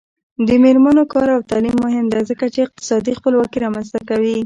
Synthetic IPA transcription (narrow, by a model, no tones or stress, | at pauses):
d̪əmeɾmanokɑɾawt̪ɑlimːʊɦɪmd̪azəkat͡ʃeɪq̚t̪ɪ̥sɑd̪ixpəlwɑkiɾɑmanst̪akawi